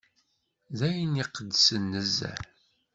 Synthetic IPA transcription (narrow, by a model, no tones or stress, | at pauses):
ðæjəniqəd̪ːsənːəzːæ̰ɾ